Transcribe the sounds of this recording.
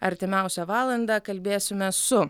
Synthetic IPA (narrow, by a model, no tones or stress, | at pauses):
ɐɾʲt̪ʲɪmʲæˑʊsʲɛʋɑːlˠɐnd̪ɑkɐlʲbʲeːsʲɪmʲɛsʊ